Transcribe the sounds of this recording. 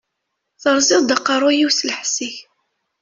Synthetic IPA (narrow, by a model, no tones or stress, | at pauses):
θəɾˤzɪðˤd̪əqːɑrˤajiwslħsːiç